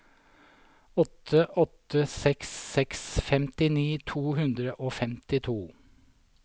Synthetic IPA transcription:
ɔt̪ʰːəʔɔt̪ːəsɛksːɛksfɛmt̪ɪniːt̪ʰuːhʉnd̪ɾəʔoːfɛmt̪ɪt̪ʰuː

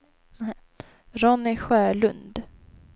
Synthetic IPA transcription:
ɾɔnːɪɧœːɭɵnd̪

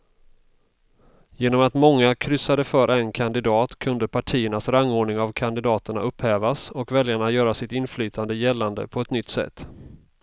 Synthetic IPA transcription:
jeːnɔmat̪mɔŋːakʰɾʏsːad̪əfœːɾʔɛnkʰand̪ɪd̪ɑːt̪kʰɵnd̪əpʰaʈʰiːəɳasɾaŋːoːɳɪŋavkʰand̪ɪd̪ɑːt̪əɳa̰ʔɵpːhɛːvasɔkvɛljaɳajœːɾasɪt̪ɪnflyːt̪ʰand̪əjɛlːand̪ə̰pʰɔɛt̪nʏt̪ːsɛ̰t̪ː

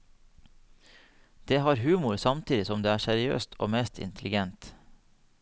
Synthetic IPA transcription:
d̪̥eːhɑːɾhʉːmʊɾsɑmt̪ʰiːd̪ɪsɔmd̪eːæːsæɾɪø̰ːst̪ʰʔo̰ːmeːst̪ʰɪ̰nt̪ʰlɪɡɛnt̪

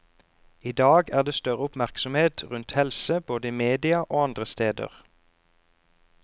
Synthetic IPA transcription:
iːd̪ɑːɡæːʁd̪eːst̪œʁəʊpmæʁksɔmheːt̪ʁʉnt̪hɛlsəb̥oːd̪əiːmeːd̪ɪɑʔoːɑnd̪ʁəst̪eːd̪ə̰ʁ

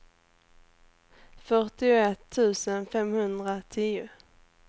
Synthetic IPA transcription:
fœʈɪʊɛt̪ʰːʉ̟ːsənfɛmhɵnd̪ɾat̪ʰiːʊ̰

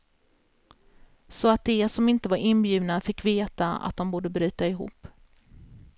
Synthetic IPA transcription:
sɔat̪̚d̪ɛsɔmɪnt̪əvaɾʔɪnːbjʉ̟ːvnafɪkːveːt̪aa̰t̪̚d̪ɔmbuːɖəbɾy̟ːt̪aɪɦṵːpː

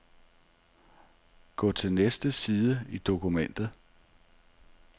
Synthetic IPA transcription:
ɡ̥ɔ̰ːt͡sʰe̝lnesd̥əsiːðˠəid̥o̝kʰumen̰d̥ð̩ˠ

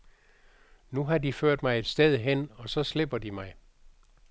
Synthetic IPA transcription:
nuɦɑ̈diføɐ̰d̥mɑ̈ɪe̝d̥sd̥eð̞ˠɦen̰ɒ̽sɒ̽sle̝b̥ɐd̥imɑ̈ɪ

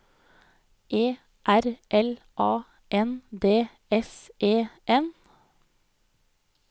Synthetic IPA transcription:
ʔeː | ʔæɾʔɛl | ʔɑː | ʔɛnd̪eː | ɛsʔeːʔɛn

